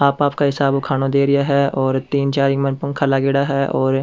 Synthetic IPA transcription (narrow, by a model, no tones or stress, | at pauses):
aːpaːp̚kaɦɪsaːbʊkʰaːnõd̪eːɾɪjaɦɛɔːɾt̪iːnt͡ʃaːɾimənpʊ̃ŋkʰalaɡeːɽaɦɛːʔɔːɾ